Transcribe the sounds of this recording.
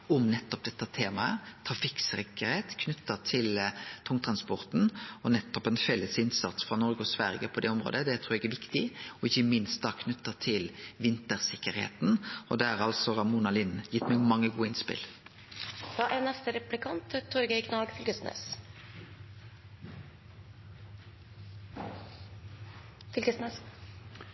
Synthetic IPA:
ɔmnɛt̪ːɔp̚d̪ɛt̪ːɑt̪ʰeːmɑət̪ʰɑfɪksɾɛkːəɾheːt̪kʰnʉt̪ːət̪ʰɪlt̪ʰɔŋt̪ʰɾɑnspɔʁt̪nɔnɛt̪ːɔpɛnfɛlːəsɪnsɑt̪sfɾɑnɔɾɡəɔsʋæɾjəpʰɔd̪ɛɔmɾo̰ːd̪əd̪ɛt̪ʰɾuːɾɛɡæɾʋɪkt̪ɪɔɪçːəmɪnst̪̚d̪ɑkʰnʉt̪ːət̪ʰɪlʋɪnt̪əɾsɪkːəɾhḛːt̪n̩ɔd̪ɛæʁɑlsɔʁɑmuːnɑlɪnjɪt̪ːmɛɡmɑŋːəɡuːəɪnspɪ̰l | d̪̥ɑːʔænɛst̪əɾɛplɪkʰɑnt̪t̪ʰːɔɾɡəɪknɑːɡfʏlkəsnø̰ːs | fʏlkəsnøs

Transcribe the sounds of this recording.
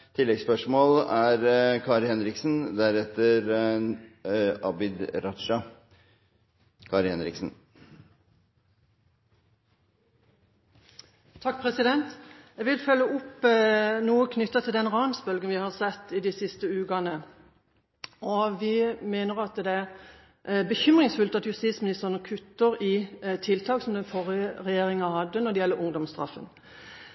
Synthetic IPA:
t̪ʰɪlːɛɡspœʂmoːlæɾkʰɑːɾhɛnɾɪksn̩d̪æɾɛt̪ːəɾ | ʔɑbɪd̪ɾɑt̪ʂɑ | kʰɑːɾhɛnɾɪ̰ksn̩ | t̪ʰɑkːpʰʁɛsɪd̪ɛnt̪ɛɡʋɪlfœlːəʔʊp | nuːəkʰnʏt̪ːɑt̪ʰɪld̪ɛnʁɑːnsbœlɡənʋɪhɑʁsɛt̪ːɪd̪ɪsɪst̪əʉːkɑnə | ɔʋɪmeːnəʁɑt̪d̪ɛæʁ | bəçʏmʁɪŋsfʉlt̪ɑt̪jʉst̪iːt̪smɪnɪst̪əʁənəkʰʉt̪ːəʁɪt̪ʰɪlt̪ʰɑːksɔmd̪ɛnfɔʁəʁɛjeːʁɪŋɑhɑd̪ːənɔd̪ɛjɛlːəʔʊŋd̪ɔmst̪ʁɑ̰fə̰n

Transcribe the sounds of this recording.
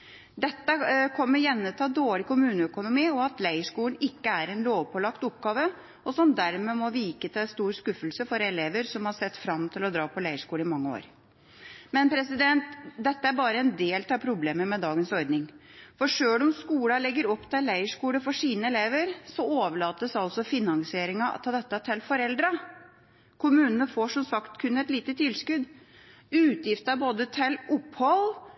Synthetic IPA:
d̪ɛt̪ːəkʰɔmːəɾjɛnːət̪ʰɑːd̪oːɽɪkʊmʉːnəœkʊnʊmiːɔɑt̪læɪəʂkuːlən̩ɪkːəæɾɛnloːʋpʰɔlɑkt̪ʊp̚ɡɑːʋə | ɔsɔmd̪æɾmɛmɔʋiːkət̪ʰɪlst̪uːɾskʉfəlsəfɔɾɛleːʋəɾsɔmhɑʂɛt̪ːfɾɑmt̪ʰɪlɔd̪ɾɑːpʰɔlæɪəʂkuːləɪmɑŋːəo̰ːɾ | mɛnpʰɾɛsɪd̪ɛnt̪d̪ɛt̪ːəæɾbɑːɾəɛnd̪eːlt̪ʰɑpʰɾʊbleːməmɛd̪ɑːɡənsɔɾd̪nɪŋ | fɔʂøːlɔmskuːlɑlɛɡːəɾɔpːt̪ʰɪlːæɪəʂkuːləfɔʂiːnəɛleːʋəɾsɔoːʋəɭɑːt̪əsɑlsɔfɪnɑŋsɪeːɾɪŋɑɑ̰t̪ʰɑd̪ɛt̪ːət̪ʰɪlfɔɾɛld̪ɾɑ | kʰʊmʉːnənəfoːʂɔmsɑkt̪kʰʉnːɛt̪liːt̪ət̪ʰɪlskʉd̪ | ʉːt̪jɪft̪əɑboːd̪ət̪ʰɪlʊpːhɔl

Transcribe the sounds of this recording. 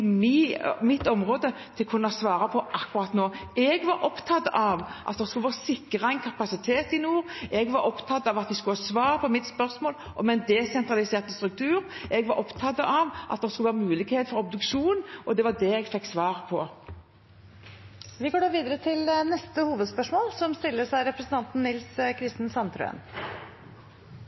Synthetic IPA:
mmɪt̪ːɔmʁoːd̪ət̪ʰɪlkʰʉnːəɑsʋɑːɾɑpʰɔʔɑkːʉɾɑt̪noːɛɡʋɑɾʔɔpt̪ʰɑt̪ːɑʋʔɑ̰t̪d̪ɛskʉlʋɑːsɪkːəʁɑɛɪnkʰɑpɑsɪt̪ʰeːt̪ɪnuːʁɛɡʋɑɾɔpt̪ʰɑt̪ːɑʋɑt̪̚d̪ɛskʉlɑsʋɑːʁpʰɔmɪt̪spœʁsmoːlʔɔmɛnd̪ɛsɛnt̪ʁɑlɪseːʁt̪əst̪ɾʉk̚t̪ʰʉːɾʔɛɡʋɑɾʔɔpt̪ʰɑt̪ːəʔɑʋʔɑ̰t̪̚d̪ɛskʉləʋɑːmʉːlɪɡheːt̪fɔɾɔb̚d̪ʉkʃuːnʔɔd̪ɛʋɑd̪ɛɛɡfɛkːsʋɑːʁpʰɔ | ʋɪɡoːɖɑːʋiːd̪əɾət̪ʰɪlnɛst̪əhuːʋəd̪spœʂmoːlsɔmst̪ɪlːəsæɪɾɛpɾəsən̩t̪ɑnt̪n̩nɪlskʰɾɪst̪n̩sɑnt̪ʰɾʉ̰ə̰n

